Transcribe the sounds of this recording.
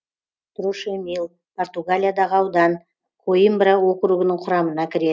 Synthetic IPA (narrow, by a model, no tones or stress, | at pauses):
t̪ʰɾuʃemilˠ | pʰo̞rt̪uɡalʲijad̪ɑʁəɑwd̪ɑn | qʰojimbɾawo̞qɾuɡənəɴqʰʊɾɑmənɑkʲʰɪɾe̞